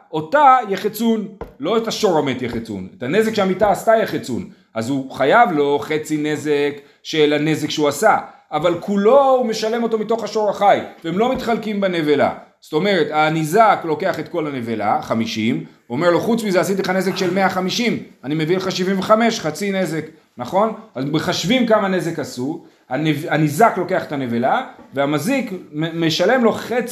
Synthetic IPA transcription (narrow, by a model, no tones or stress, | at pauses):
o̞tajeχet͡sunlo̞etaʃo̞ʁametjeχet͡sṵnetane̞zekʃeamitaːstajeχet͡sṵn | azuχajavlo̞χe̞t͡sine̞zek | ʃelane̞zekʃeuasa | avalkʰulo̞ume̞ʃale̞mo̞to̞mito̞χaʃo̞ʁaχajveemlomitχalkimbene̞vela̰sto̞me̞ʁetanizaklo̞ke̞aχe̞t̪̚ko̞lane̞vela̰χamiʃim | omeʁlo̞χut͡smizeasit̪̬ileχane̞zekʃe̞lme̞aχamiʃimanimevileχaʃivimveχame̞ʃχat͡sine̞ze̞k | naχo̞nazbeχaʃvimkamane̞ze̞kasu | anevanizaklo̞ke̞aχetane̞velaveamazikmeme̞ʃale̞mlo̞χet͡s